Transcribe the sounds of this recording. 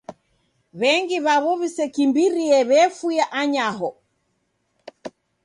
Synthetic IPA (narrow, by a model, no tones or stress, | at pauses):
βɛŋɡiβaβɔβisɛkimbiɾiɛβɛfujaʔaɲaɦɔ